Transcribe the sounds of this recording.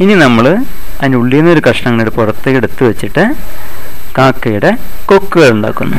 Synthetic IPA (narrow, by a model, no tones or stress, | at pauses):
ininɐmːɐɭɐðinuɭːijunːɐo̞ɾukɐʂɐɳɐŋːɐɭiɽepurɐt̪ːɨkːiɽut̪ːɨʋet͡ɕːiʈːɨ | kaːkːɐjuɽe̞ko̞kːɨɣɐɭuɳɖa̰ːkːunːu